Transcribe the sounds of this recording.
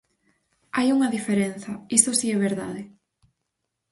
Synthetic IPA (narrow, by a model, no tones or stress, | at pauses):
ajuŋɐðifeɾenθɐisosiɛβeɾða̰ðɪ